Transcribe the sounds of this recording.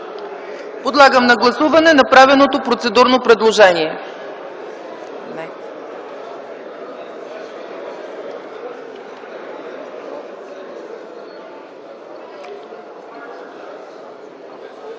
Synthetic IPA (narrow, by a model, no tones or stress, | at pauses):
pod̪lˠaɡəmnɐɡlˠɐsuvɐnɛnɐpɾavɛlˠnot̪opɾot̪sɛd̪uɾnopɾɛd̪lˠoʒɛniɛ | nɛ